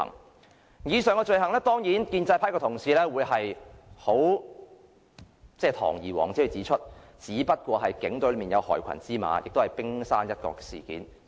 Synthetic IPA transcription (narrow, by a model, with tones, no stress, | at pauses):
ŋ | jiː˨˧sœː˨ŋkɔː˧t͡ʃɵ˨˧ɥɦɐ˨˩ŋlɛː˥t̪ɔː˥ŋjiː˨˥nkiː˧nt͡sɐ˧jpʰaː˥kɔː˧t̪ʰʊ˨˩ŋsiː˨˧lɛː˥wuː˨˧jɦɐ˨jho˨˥w | t͡sɛː˥t̪ʰɔ̰ː˨˩ŋjiː˨˩wɔ̰ː˨˩ŋt͡si˨˥˨t͡siː˨˥t͡ʃʰɵ˥t̚t͡siː˨˥pɐ˥t̚kʷɔː˧ɦɐ˨jkɪ˨˥ŋt̪o˨˧˥lmiː˨˩njɐ̰˨˧whɔ̰ː˨˩jkʷʰɐ̰˨˩nt͡siː˥ma̰ː˨˧jɪ̰˨k̚t̪o˥hɐ˨jpɪ˥ŋsaː˥njɐ˥t̚kɔ̰ː˧kːɛː˧sḭː˨˩kḭː˨˥n